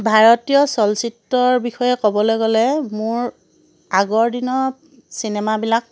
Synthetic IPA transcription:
bʱaɹɔtijɔsɔlsitːɔɹbixɔjɛkɔbɔlojɡɔlɛmʊɹ | aɡɔɹdinɔ | sinɛmabilak̚

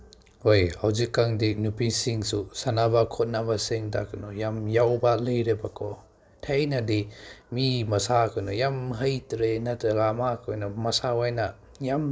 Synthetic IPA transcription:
hojhawzikːaŋdinupisiŋsusanabakʰɔt̚nabasiŋtakʰɯnɔjamjawbalɯjɾebakʰɔ | tʰejnadimimɐsakʰɯnɔjamɦɐjtɾenatalamakʰojnɔmɐsawajna | jam

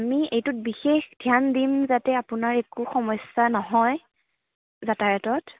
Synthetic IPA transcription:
amiejtʊt̚bixexdʱjandimzatɛapʊnaɹekuxɔmɔjsanɔɦɔj | zatajɔtɔt

